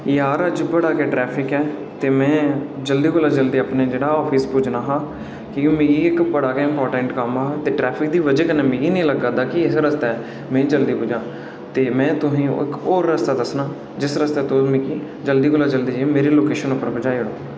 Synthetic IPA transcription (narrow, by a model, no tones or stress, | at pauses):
jaːɾəd͡ʒbəɽaːkɛːʈɾɛːpʰɪkɛːt̪eːmɛ̃ːd͡ʒəld̪iːkoːlaːd͡ʒəld̪eːaːpneːd͡ʒeːɽaːɔːpʰiːspʊd͡ʒnaːɦaː | kĩmẽːɡiːɪkbəɽaːkeːɪmpɔːɾʈəɳʈkəmaːɦaːt̪eːʈɾɛːpʰɪk̚d̪iːʋəd͡ʒeːkənẽːmĩːɡiːnĩːləɡaːd̪aːkɪɪsɾəst̪aːɛː | mɛ̃ːd͡ʒəld̪iːpʊd͡ʒãː | t̪eːmɛ̃ːt̪ʊsĩːɪ̰kɔːɾːəst̪aːd̪əsnaː | d͡ʒɪsɾəst̪ɛːt̪ʊmĩːkiː | d͡ʒəld̪iːkoːlaːd͡ʒəld̪iːd͡ʒemeːɾiːloːkeːʃənʊpːəɾbəd͡ʒaːiɽoː